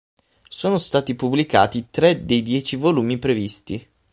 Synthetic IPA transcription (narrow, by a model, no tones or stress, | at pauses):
soːnost̪aːt̪ipublika̰ːt̪it̪ɾɛd̪ejd̪jɛːt͡ʃivoluːmipɾevist̪i